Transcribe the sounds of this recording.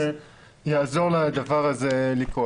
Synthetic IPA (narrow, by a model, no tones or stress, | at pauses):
e | jazo̞ʁlad̪avaʁazelikʁo